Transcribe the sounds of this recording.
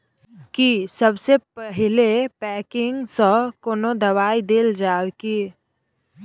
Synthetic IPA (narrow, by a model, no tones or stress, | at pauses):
kisəbsepəɦɪlepɛːkɪŋɡsə̃koːnod̪ɐwaːid̪eːld͡ʒaːwki